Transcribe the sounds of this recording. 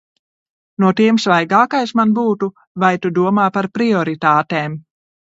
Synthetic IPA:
nuɔt̪iɛmsvajɡaːkajsmanbuːt̪u | vajt̪ud̪uɔmaːpaɾpɾiɔɾit̪aːt̪eːm

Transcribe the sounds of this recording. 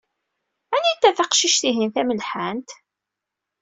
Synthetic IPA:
ænint̪ːæθɑqʃiʃθiɦinθæməlħænt̪

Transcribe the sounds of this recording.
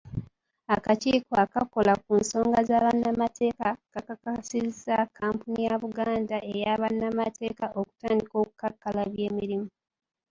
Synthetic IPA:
akaciːkoakako̞lak̚unso̞ːŋɡazaːβanːamatʰe̞ːkakakakasizakʰaːmpunijaβuɡaːndaʔe̞jaːβanːamatʰe̞ːkaʔoku̥taːndiko̞ːku̥kakːalaβje̞ːmiɾimu

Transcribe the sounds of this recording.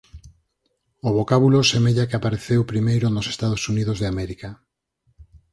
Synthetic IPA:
ʊβokaβulosemeʎakeapaɾeθewpɾimejɾonose̥st̪aðosuniðozðeamɛɾika

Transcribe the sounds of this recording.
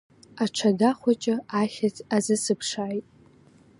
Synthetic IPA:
aʈ͡ʂʷʰadaχʷat͡ʃʼɪaχʲazʼazɨsɨpʰʂaːjtʼ

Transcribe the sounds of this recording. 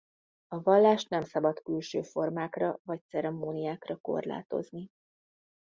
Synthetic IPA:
ɒvɒlːaːʃt̪nɛmsɒbɒt̪kylʃøːfo̞rmaːkrɒvɒc̚t̪sɛɾɛmoːnijaːkrɒko̞̰rla̰ːt̪o̞̰zni

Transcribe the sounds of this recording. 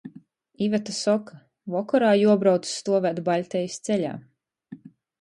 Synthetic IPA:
ivat̪asɔkʰa | vɔkɔɾaːjuɔbɾawt̪sst̪uɔvæːd̪baʎʲt̪ʲɛjist̪sɛʎʲa̰ː

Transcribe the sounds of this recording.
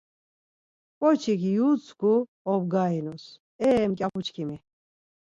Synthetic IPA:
pʼɔt͡ʃʰikijut͡sʰkʰu | ɔb̚ɡainus | ɛːmkʼjapʰut͡ʃʰkʰimi

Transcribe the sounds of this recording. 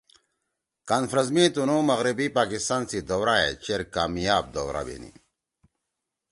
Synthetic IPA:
kanfɾɐz̬mit̪unomɐɣɾibipaːkist̪aːnsid̪owɾaḛt͡ɕeɾkaːmijaːb̚d̪owɾa̰bḛnḭ

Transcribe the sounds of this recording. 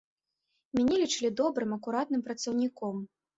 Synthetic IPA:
mʲanʲɛlʲit͡ʂɨlʲid̪ɔbɾɨmɐkuɾat̪̚nɨmpɾɐt̪sɐwnʲikɔm

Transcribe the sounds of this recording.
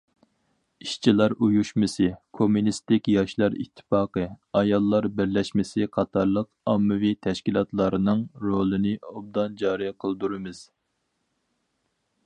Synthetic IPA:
iʃt͡ʃʰilˠɑɾujuʃmɨsɨkʰomːunist̪ɪkʲjɑʃlˠɑɾḭt̪ʰːɪ̥pɑːqəɑjɑlˠːɑɾbɪɾlɛʃmɪsɪqʰɑt̪ʰɑɾlˠəq | ɑmːɨvit̪ʰɛʃkʲilˠɑt̪lˠɑɾɨnɨŋɾolˠɨnɪob̚d̪ɑnd͡ʒɑːɾijqʰəlˠd̪uɾɨmɨz̥

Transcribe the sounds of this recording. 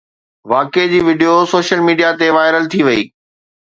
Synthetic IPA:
ʋaːked͡ʑiːʋɪɖijosoːʃəlmiːɖijat̪eʋaːɪɾəlt̪ʰiʋɐiː

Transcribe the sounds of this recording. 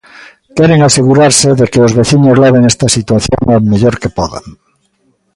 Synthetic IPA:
keɾeŋase̞ɣuɾaɾseðekeozβe̞θiɲozlaβ̞eŋest̪asit̪waθjo̰ŋameʎoɾkepoða̰ŋ

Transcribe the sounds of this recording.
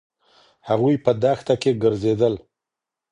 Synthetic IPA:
haɣujpəd̪axt̪akeɡəɾzed̪əl

